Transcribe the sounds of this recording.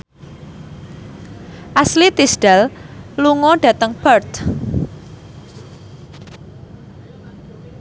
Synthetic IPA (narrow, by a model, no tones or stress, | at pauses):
ʔaslit̪isɖ̥alluŋɔɖ̥ä̤t̪əŋb̥ərt̪